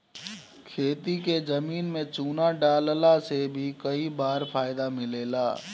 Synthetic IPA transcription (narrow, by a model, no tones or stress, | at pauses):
kʰeːt̪iked͡ʒəmiːnmẽt͡ʃuːnaɖaːllasebʱikəibaːɾpʰaːɪd̪amɪleːla̰ː